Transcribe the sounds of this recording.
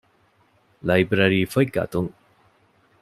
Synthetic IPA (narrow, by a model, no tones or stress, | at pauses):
lajbɾaɾifʰəjka̰tuŋ